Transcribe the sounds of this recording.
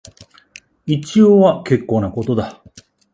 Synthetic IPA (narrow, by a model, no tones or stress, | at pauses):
it͡ɕijoːβake̞kːoːnako̞t̪o̞d̪a